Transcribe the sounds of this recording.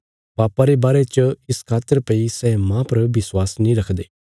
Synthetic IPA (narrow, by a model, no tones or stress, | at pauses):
paːpaɾebaːɾet͡ʃəɪskʰaːt̪ːəɾpɐisɛːmãpɐɾbɪswaːsnĩɾɐkʰd̪eː